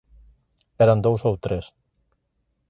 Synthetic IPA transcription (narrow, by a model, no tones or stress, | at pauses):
eɾand̪owzowt̪ɾes